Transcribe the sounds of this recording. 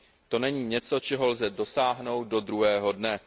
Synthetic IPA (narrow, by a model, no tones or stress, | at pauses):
t̪o̞nɛɲiːɲɛt͡so̞t͡ʃɛɦo̞lzɛdo̞saːɦno̞wt̪̚do̞d̪ɾuɦɛːɦo̞dnɛ